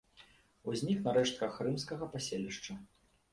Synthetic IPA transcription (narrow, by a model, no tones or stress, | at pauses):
uzʲnʲiknɐɾɛʂt̪̚kɐxrɨmskɐɣɐpasʲelʲiʂt͡ʂɐ